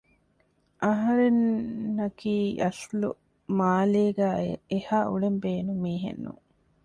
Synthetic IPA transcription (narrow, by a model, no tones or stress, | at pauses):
ʔɐɦɐɾenːɐkiːɐslṵ | maːleːɡæːehaːʔuɭembeːnumiːɦḛnːṵŋ